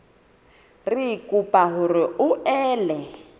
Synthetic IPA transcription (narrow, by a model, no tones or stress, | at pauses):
rikʼupʼaɦʊɾɪʊɛːlɛ